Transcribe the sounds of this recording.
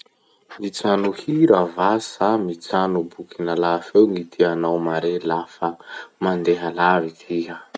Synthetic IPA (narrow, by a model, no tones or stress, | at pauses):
mit͡sanuhiɾəvasamit͡sanubukinalafewŋit̪ʰianawmaɾelafəmand̪eɦalavit̪ʰiɦə